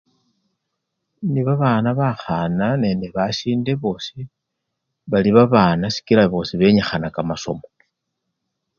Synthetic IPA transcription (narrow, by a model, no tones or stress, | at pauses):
niβaβaːnaβaxanane̞ːnde̞βaʃiːnde̞βo̞ːsi | βaliβaβaːnasi̥kilaβo̞ːsiβe̞ɲaxanakamaso̞̰mo